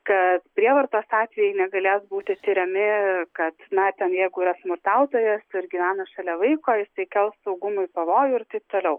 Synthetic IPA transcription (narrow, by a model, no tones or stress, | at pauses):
kɐt̪pʲɾʲiɛʋɐɾt̪oːsɑːt̪ʲʋʲɛjɛɪnʲɛɡɐlʲeːsbuːt̪ʲɪt̪ʲiɾʲɛmʲɪkɐt̪nɐt̪ʲɛnjɛɪɡʊiːɾɐsmʊɾt̪ɑˑʊt̪oːjɛsɪɾɡʲiʋʲæːnɐʃɐlʲɛʋɐɪkoːjɪst̪ɐɪkʲɛlˠssɐʊɡʊmʊɪpɐʋoːjʊɪɾt̪ɐɪp̚t̪oːlʲɛʊ